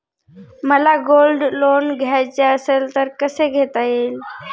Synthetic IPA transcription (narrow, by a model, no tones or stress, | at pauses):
məlaɡolɖlonɡʱjajt͡seəselt̪əɾkəseɡʱet̪ael